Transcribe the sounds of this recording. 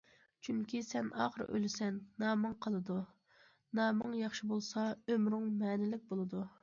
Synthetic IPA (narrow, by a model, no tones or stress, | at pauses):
t͡ʃʰyŋkʲʰisɛnʔɑ̰ːχəɾ̰ʔø̰lɪsɛnːɑːmɨŋqʰəlˠɨd̪u | nɑːmɨŋjɑχʃibolˠsɑømɾʊŋmɛːnɪlɪk̚ʲbolˠɨd̪u